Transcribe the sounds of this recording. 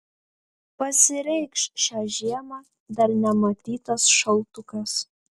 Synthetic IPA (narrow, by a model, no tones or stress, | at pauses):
pɐsʲɪɾʲɛjkʃʃaʒiɛmɐ | d̪ɐrnʲɛmɐt̪ʲiːt̪ɐsʃɐlˠt̪ukɐs